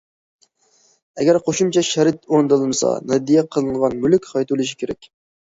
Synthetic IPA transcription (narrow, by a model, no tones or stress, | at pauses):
ɛɡʲæɾqʰoʃumt͡ʃʰɛʃɛɾɨt̪oɾnɨd̪ɨlˠɨmɨsɑ̰nɑd̪ijɛqʰəlˠɨŋʁɑnmylykʲχɑjt̪ulˠɨʃ̬i̥kʲʰeɾɛ̰kʲ